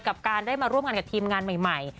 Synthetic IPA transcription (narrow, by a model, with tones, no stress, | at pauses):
ka˨˩p̚kaː˧ndaː˥˩jmaː˧ɾu˥˩əmŋaː˧nka˨˩t̪ʰiː˧mŋaː˧nma˨˩jma˨˩j